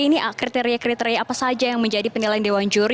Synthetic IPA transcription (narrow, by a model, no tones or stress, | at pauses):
iniʔakɾit̪eɾiakɾit̪eɾiaːpasad͡ʒajaŋməɲd͡ʒadipənilajandewand͡ʒuɾ